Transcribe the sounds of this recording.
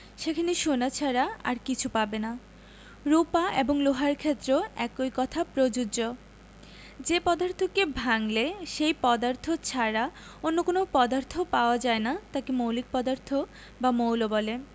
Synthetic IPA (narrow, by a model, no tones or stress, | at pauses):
ʃekʰaniʃonat͡ɕʰaɾaa̰ɾkit͡ɕʰupabena | ɾupaʔeboŋloɦaɾkʰet̪ːɾoɛkojkɔt̪ʰapɾod͡ʑud͡ʑo | d͡ʑepɔd̪aɾt̪ʰokebʱaŋleʃejpɔd̪aɾt̪ʰot͡ɕʰaɾaonːokonopɔd̪aɾt̪ʰopaoad͡ʑaenat̪akemowlik̚pɔd̪aɾt̪ʰo | bamowlobɔle